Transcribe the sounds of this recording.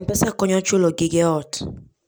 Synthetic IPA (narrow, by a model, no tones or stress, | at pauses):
m̩pɛsakɔɲɔt͡ʃolɔɡiɡeɔt